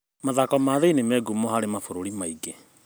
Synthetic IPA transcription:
maðakɔmaːðeinemɛːɡumɔhaɾemafoɾoɾimaiɡe

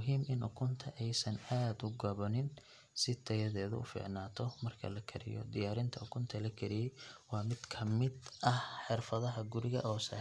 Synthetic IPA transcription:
mʊɦiːmʔɪnʔʊkʰʊnt̪ʰɐʔɛjsɐnaːd̪ʊɡɐβɔnɪn | sɪt̪ʰɐjɐðɛːðɐ̰ʊ̰fɪ̰ʕnaːt̪ʰɔmɐrkʰɐ̰lɐkʰɐ̰ɾɪ̰jɔ̰d̪ɪjaːɾɪnt̪ʰɐʊkʰʊnt̪ʰɐlɐkʰɛɾɪjɛjwɑːmɪd̪̥kʰɐmɪd̪ʔɐhħɪrfɐðɐɦɐɡʊɾɪɣɐ̰ʔɔːsɐ̰ː

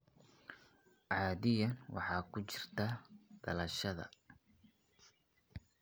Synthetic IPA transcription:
ʕɑːðɪjɐnwɑ̰ħɑːkʰʊt͡ʃɪrt̪ʰɐd̪̥ɐlɐʃɐðɐ̰

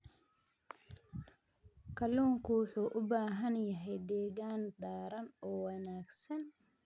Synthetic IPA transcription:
kʰɐluːŋkʰʊwʊħuːʔʊbaːɦɐnjɐɦɛjd̪ɛːɣaːnd̪aːɾɐnɔːwɑnaːɡsɐn

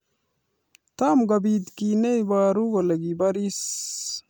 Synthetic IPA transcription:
t̪amɡabid̪kinejbaːɾuɡolɐɡibaɾis

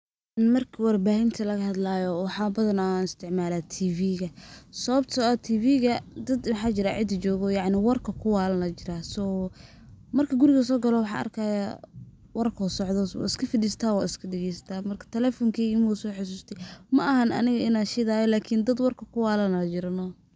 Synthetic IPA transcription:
mɐrkʰɐwɑrbaːɦɪnt̪ʰɐlɐɣɐhɐd̪laːjɔwɑħɑːbɐðɐnanɪst̪ʰɪʕmaːlaːt̪ʰiːviːɣɐsɐβɐbt̪ʰɔɔt̪ʰiːviːɣɐd̪ɐd̪wɑħɑːt͡ʃɪɾaːʕɪd̪d͡ʒɔːɣɔjɑʕnɪwɐrkʰɐkʰʊwaːlɐnlɐt͡ʃɪɾaːsɔ | mɐrkʰɐɡʊɾɪɣɐs̬ɔːɡɐlɔwɑħɑ̰ːʔɐ̰rkʰaja | wɐrkʰɔːsɔʕd̪ɔwa̰ːɪskʰɐfɪdiːst̪ʰaːwa̰ːɪskʰɐɖɛɣɛjsɐt̪ʰaːmɐrkʰɐ̥t̪ʰɛlɛːfɔŋkʰiːɪmusɔːħʊs̬uːst̪ʰɛjmɐʔɐɦɐnɐ̰nɪɣɐʔɪnaːnʃɪðaːjɔlaːkʰɪnd̪ɐd̪wɐrkʰɐkʰʊwaːlɐnat͡ʃɪɾɐnɔː

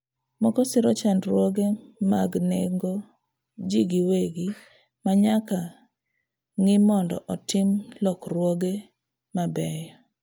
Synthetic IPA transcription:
mɔkɔsɪɾɔt͡ʃandɾwoɡemaɡneŋɡo | d͡ʒiɡiweɡi | maɲaka | ŋɪmɔndɔ̰ʔɔtɪmlɔkrwoɡe | mabɛjɔ

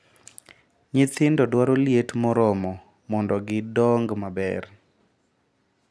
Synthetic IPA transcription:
ɲɪt̪ɪndɔdwaɾoljetmɔɾɔmɔ | mɔndɔɡɪdɔŋɡmabɛ̰r

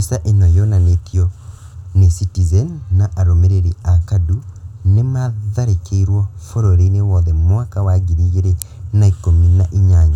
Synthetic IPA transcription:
isaʔenɔjɔnanekʰjɔ | nesitizɛnːaʔaɾomeɾeɾiakadunemaðaɾekʰeiɾwɔfoɾoɾeinewɔðɛmwakawaɡiɾiɣeɾenaikominaʔiɲaɲa

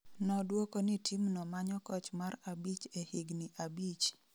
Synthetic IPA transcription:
nɔdwokonɪtʰimnɔmaɲɔkɔt͡ʃmarabit͡ʃehɪɡniʔabit͡ʃ

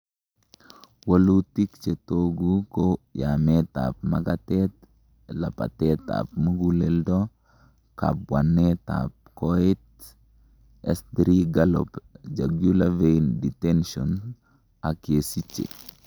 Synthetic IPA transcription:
wolutikt͡ʃetoɡukojameta̰pmaɡatɛt | lapa̰tɛta̰p̚muɡuleldo | ka̰pwanːeta̰p̚koit | ɛsdɾiɡalɔ̰pd͡ʒaɡjulavenditenʃɔn | akesit͡ʃːḛ

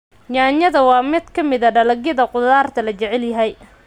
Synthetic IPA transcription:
jaːɲɐðɐwɑːmɪd̪kʰɐmɪðɐɖɐlɐɣjɐðɐqʊðaːrt̪ʰɐlɐt͡ʃɛʕɛljɐɦɛj

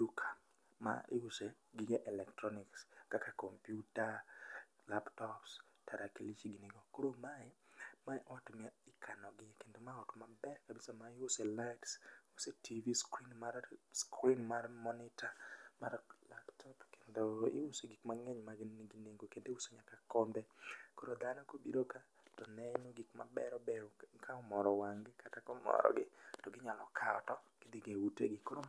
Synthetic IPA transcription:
dukʰḁ | ma̰ɪuse | ɡiɡeʔɛlɛktɾɔnikskakakɔmpjuta | laptɔpstaɾakelit͡ʃiɡineɡokoɾomaɛmaʔɔtmɪkʰanɔɡɪkendomaɔtmabɛɾkabisamaɪʊselaɪtsusetʰiviskɾinmaɾskʰwinmarmɔnɪtama̰rlaptʰɔpkendoɪ̰useɡikmaŋeɲmaɡɡineŋɡokendeusoɲakakɔnd̪ɛkoɾod̪anɔkobidoka | tɔnɛnoɡikma̰bɛ̰ɾɔbɛkʰaɔmɔɾɔwaŋɡɪkatakɔmɔ̰ɾɔ̰ɡɪtɔɡɪɲalɔ̰kʰaɔ̰tɔked̪ɪɡeutḛɡɪkoɾo

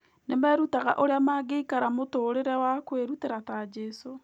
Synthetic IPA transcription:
nemɛɾutaɣa̰ʔoɾeamaɡeikaɾamotoːɾeɾɛwakweɾuteɾatad͡ʒɛso

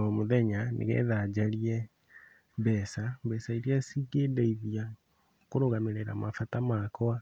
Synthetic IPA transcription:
ɔmoðɛɲanʔḛɣɛ̰ðad͡ʑaɾiɛ | bɛsabɛsaiɾiasiɡedeiðia | koɾoɣameɾeɾa̰mafatamakɔa

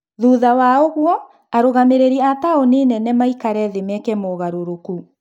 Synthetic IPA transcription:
ðuðawaoɣwɔ | aɾoɣameɾeɾiataoneːnɛnɛmaikaɾɛðemɛkɛmoɣaɾoɾoku

